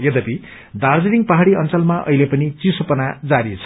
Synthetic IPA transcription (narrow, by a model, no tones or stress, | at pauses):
jʌd̪ʌpi | d̪ard͡zeniŋpʌɦaɽiʌnt͡sʌlmaʔʌ̰ilepʌnit͡sisopʌnad͡zaɾit͡sʰʌ